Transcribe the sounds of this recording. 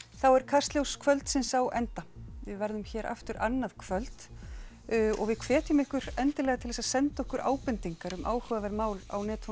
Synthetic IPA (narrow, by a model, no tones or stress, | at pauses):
θawɛɾ̥kʰarst̪ljowskʰvœlt̪sɪnsawʔɛnt̪avɪðvɛɾðʏmçɛːɾa̰ft̪ʏɾanːaðkʰv̥œlt̪ | ɔ̰ɣvɪðkʰvɛːt̪ʏmɪhkʏɾɛnt̪ɪlɛːɣat̪ʰɪlɛsasɛnt̪aɔhkʏɾʔa̰ːwpʏnt̪iŋkaɾʏmʔa̰ːwhœvavɛɾmaːwla̰wnɛːt̪f